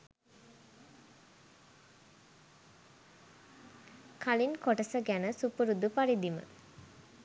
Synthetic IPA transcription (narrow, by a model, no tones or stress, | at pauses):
kʰalinkoʈəsəɡænəsupuɾud̪upaɾid̪imə̰